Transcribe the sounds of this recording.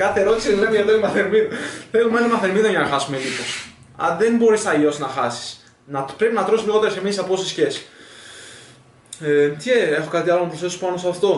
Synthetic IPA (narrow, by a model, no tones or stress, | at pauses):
kɐθeɾo̞t̪i̥silemieðoimɐθeɾmiðoleɣomɐnimɐθeɾmiðoʝɐnɐxɐsumelipos | ɐ̰nðembo̞ɾist̪ɐʝo̞snɐxɐsi̥s | nɐpɾepinɐt̪ɾosizliɣo̞t̪eɾsemisɐpo̞sisçe̞si̥ | et̪çeexokɐt̪iɐlonɐpɾosθe̞sospɐnost̪ɐft̪o̞